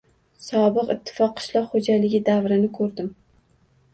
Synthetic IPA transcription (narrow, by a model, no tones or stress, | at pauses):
sɒbɨqɪt̪ʰːɪ̥fɒqʰːɨ̥ʃlˠɒqhod͡ʒalɪɡʲɪd̪avɾɪnɪkʰɵɾd̪ɪm